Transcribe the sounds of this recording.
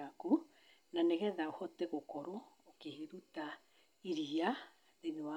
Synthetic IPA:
aku | nanɛɣɛðaohɔtɛɣokoɾoː | keheɾuta | iɾia | ðeðewa

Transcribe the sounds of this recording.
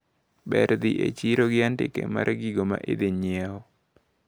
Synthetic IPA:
bɛɾd̪ɪʔet͡ʃiɾoɡɪantɪkḛma̰ɾʔɡiɡoma̰ʔed̪ɪɲjɛɔ

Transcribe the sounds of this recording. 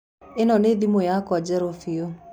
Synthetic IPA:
enɔneðimojakɔad͡ʒɛɾofio

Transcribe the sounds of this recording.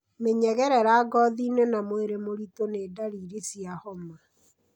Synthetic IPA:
meɲɛɣɛɾɛɾaːɡɔðiːnwenamoeɾemoɾitoneːdaɾiːɾesiahɔma

